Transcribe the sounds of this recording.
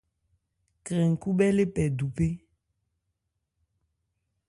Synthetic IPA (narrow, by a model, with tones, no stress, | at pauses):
kɾe˨ŋ̩˨ku˦ɓɛ˦le˦pɛ˨du˨pe˦